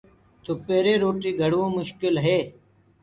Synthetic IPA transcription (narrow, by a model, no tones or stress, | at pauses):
t̪opeːɾeːɾoːʈiːɡʱəɽʋõːmʊʃkɪlɦeː